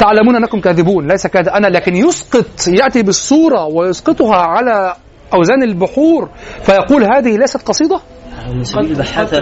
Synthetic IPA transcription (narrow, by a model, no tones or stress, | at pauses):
t̪aʕlæmuːnʔænːækʊmkæːðɪbuːnlæjsækæːd̪ʔænælæːkɪnjosqɨt̪ˤjaʔt̪ibɨsˤːuːɾˤɑwɪjosqɨt̪ˤhæʕalæː | ʔæwzæːnɪlbʊħuːɾfæjɑquːlɦaæːðɪhilæjsæt̪̚qɑsˤiːd̪ˤɑ